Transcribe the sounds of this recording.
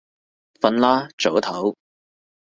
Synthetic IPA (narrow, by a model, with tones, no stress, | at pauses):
fɐ˧nlaː˥t͡so˨˥wt̪ʰɐ˨˥w